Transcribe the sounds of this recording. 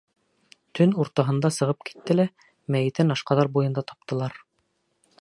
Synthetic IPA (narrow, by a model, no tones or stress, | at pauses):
t̪ʰɵnuɾt̪ɑɦɤ̆nd̪ɑsɤ̆ʁɤp̚ki̥t̪ːɘ̆læ | mæjɘ̆t̪ɘnɑʃqɑðɑɾbujɤ̆nd̪ɑt̪ɑ̥p̚t̪ɤ̆lˠɑɾ